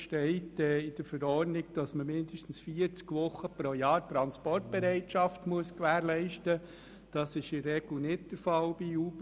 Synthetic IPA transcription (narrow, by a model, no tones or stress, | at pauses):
ʃtɛɪtɛːɪd̥əɾfəɾɔrnɪɡ̚d̥ɑsməmɪndəʃtn̩sfiəɾt͡skʋʊχːəpɾojɑːɾtɾɑnspɔrt̚b̥ɛɾɛɪtʃɑftmuəskʋæːɾlɛɪʃtə | d̥ɑsɪʃɪrɛɡl̩nɪtd̥əɾfɑlbiuːb̥